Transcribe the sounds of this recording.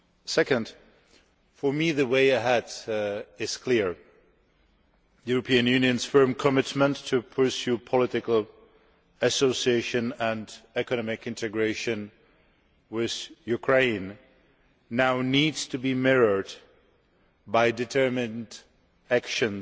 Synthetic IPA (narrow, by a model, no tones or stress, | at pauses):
sɛkɨ̃nd̥ | fə˞miðɨweɪɨɦɛd | ɪz̥kʰl̥ɪɹ | juɹəpʰĩɨ̃njʉ̃njɨ̃nz̥fɜ̃˞mkʰəmɪtmə̃ntʰːɨpʰə˞sjʉpʰəlɪɾɪkl̩ˠ | ɨsoʊsieɪʃɨ̃nə̃ndɛkɨnɑmɪkɪ̃ntʰɨɡɹeɪʃɨ̃n | wɪð̥jʉkʰɹ̥ẽɪ̃nː | aʊnidz̥tʰɨbimɛɹə˞d | baɪdɨtʰɜ˞mɨ̃nd | ækʃɨ̃n